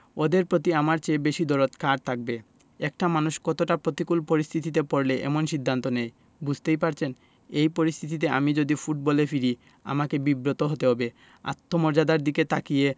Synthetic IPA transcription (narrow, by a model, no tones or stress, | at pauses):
od̪eɾpɾot̪iamaɾt͡ɕebeʃid̪oɾot̪kaɾt̪ʰak̚be | ɛk̚ʈamanuʃkɔt̪oʈapɾot̪ikulpoɾist̪ʰit̪it̪̬epoɾleʔɛ̰monʃid̪ʱːant̪onej | bud͡ʑʱt̪ejpaɾt͡ɕʰen | ejpoɾist̪ʰit̪̬it̪̬eamid͡ʑod̪ifuʈ̚bɔlefiɾi | a̰makebibɾot̪oɦot̪eɦɔbe | a̰t̪ʰːomoɾd͡ʑad̪aɾd̪iket̪ʰakije